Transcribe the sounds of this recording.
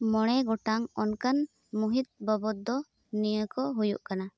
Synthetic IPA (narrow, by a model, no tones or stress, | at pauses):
mɔɽ̃ɛɡɔʈaŋɔnkan | muɦit̪̚bɔbɔt̪̚d̪ɔ | nijəkɔɦujṵʔkana